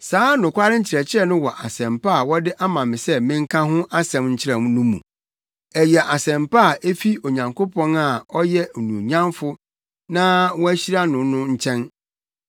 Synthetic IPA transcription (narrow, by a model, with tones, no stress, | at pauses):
saː˨˦nʊ̃˨kʷʰa˦ɾɪ˦ɲ̩˦t͡ɕʰɪ˨ɾɛ˨t͡ɕʰɪ˦ɛ˦nʊ̃˦wɔ˨ʔa˨sɛ̃˨mpa˦a˨wɔ˦dɪ˦ʔa˦mã˨mɪ̃˨sɛ˦mɪ̃˦ŋ˦kʰã˦ɦʊ̃˦ʔa˦sɛ̃˨mɲ̩˦t͡ɕʰɪ˦ɾɛ˨mnʊ̃˦mṵ̃˨ | ɛ˨jɛ˨ʔa˨sɛ̃˨mpa˦˨e˦fi˦o˨ɲã˨ŋkʰo˦pʰɔ̃˦na˨ɔ˦jɛ˦˨nũ˨ɲã˦mfʊ˦ | nã˦wɔ˦æ˦ɕi˦ɾa˦nʊ̃˨nʊ̃˦ɲ̩˦t͡ɕʰɛ̃˦n